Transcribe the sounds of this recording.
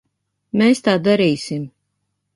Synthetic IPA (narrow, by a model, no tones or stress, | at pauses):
meːst̪aːd̪aɾiːsim